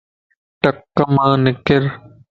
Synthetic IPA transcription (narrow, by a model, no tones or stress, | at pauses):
ʈəkːəmãːnɪkɪɾ